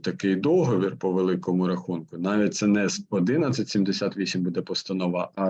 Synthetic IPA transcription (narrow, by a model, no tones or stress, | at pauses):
t̪ɐkɪjd̪ɔɦɔʋʲirpɔʋelˠɪkɔmʊɾɐxunkʊnɑʋʲit̪̚ʲsɛnɛzɔd̪ɪnɐt͡sʲɐtʲsʲimd̪esʲat̪ʲʋʲisʲimʲbud̪ɛpɔst̪ɐnɔʋɐʔɑ